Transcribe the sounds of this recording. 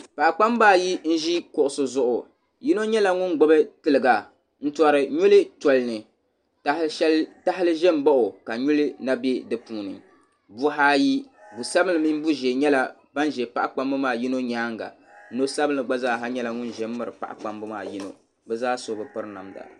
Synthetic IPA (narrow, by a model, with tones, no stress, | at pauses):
pa˨ʔa˨k͡pa˦m˦baː˦˨ji˦n̩˦ʒi˦kʊ˦ʔʊ˨sʊ˦zʊ˦ʔʊ˨ | ji˦no˦ɲɛ˦la˨ŋʊ˦nɡ͡bo˦bɨ˦tɨ˨lɨ˨ɡa˨ | n̩˦tɔ˨ɾɨ˨ɲu˦lɨ˦tɔ˨lɨ˨nɨ˨ | ta˦ɛ˦lta˦hɪ˦lɨ˦ʒɛ˦mba˦ʔʊ˨ka˨ɲu˦lɨ˦na˦be˦dɨ˨puː˦˨nɨ̰˨ | bu˦ɦaː˦ji˦bu˨sa˦bɨ˦nlɨ˨mi˦m˦bu˦ʒɛ˨ɲɛ˦la˦ | ba˦nʒɛ˨pa̰˦˨ʔa˦k͡pa˦mbɨ˦maː˦˨ji˦no˦ɲaː˦ŋɡa̰˨ | n̩˦no˦sa˦bɨ˦nɨ˨ɡ͡ba˦zaː˦˨ɦa˦ɲɛ˦la˨ŋʊ˦n˨ʒɛ˨˦mː˦ɨ˦ɾɨ˨pa̰˨ʔa̰˨k͡pa˦mbɨ˦maː˦˨ji˦no̰˦ | bɛ˦zaː˦so˨bɨ˨pɨ˦ɾna˨mda̰˨